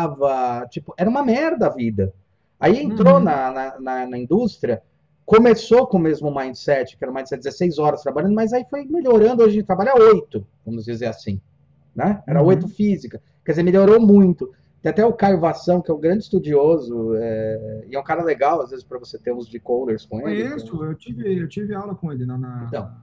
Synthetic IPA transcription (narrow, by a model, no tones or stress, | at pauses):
vɐt͡ʃipʊɛɾɐũmɐmɛɾd̪ɐavid̪ɐ | aiẽnt̪ɾonɐnɐnɐnɐĩd̪ust̪ɾiɐ | komesokõmezmʊmãj̃sɛt͡ʃɪ̥kɛɾɐʊmãj̃d̪sɛt͡ʃ̚d̪ɪzesejzɔɾɐst̪ɾabaʎʲɐ̃nd̪ʊmɐzaifojmeʎoɾɐ̃nd̪ʊoʒẽt͡ʃt̪ɾabaʎaojt̪ʊv̥ɐ̃mʊzd͡ʒizeɾasḭ̃ | nɛɛɾɐojt̪ʊfizikɐ | kɛdɪzeɾmeʎʲoɾomũj̃t̪ʊ | t̪ẽat̪ɛʊkajvasɐ̃w̃kɪɛũɡɾɐ̃d͡ʒɪst̪ud͡ʒiozʊɛɪɛũkaɾɐleɡawazvezɪspɾɐvoset̪eɾũzd͡ʒikoleɾskõelɪisʊewt͡ʃivɪewt͡ʃivɪawlɐkõelɪnɛ̃nɐẽt̪ɐ̰̃w̃